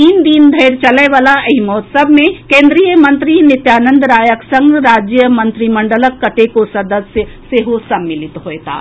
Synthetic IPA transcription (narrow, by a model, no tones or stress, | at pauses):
t̪iːnd̪iːnd̪ʱɐɪɾt͡ʃɐleʋaːlaɐɦɪmɔːt̪səbmẽkẽːnd̪ɾijəmɐ̃nt̪ɾinɪt̪jaːnə̃nd̪ɾaːjəksɐ̃ŋɡɾaːd͡ʒjəmɐ̃nt̪ɾimɐ̃ɳɖələkːɐʈekosɐd̪əsəseɦosɐbmːɪlɪt̪ɦoet̪ʰa̰ː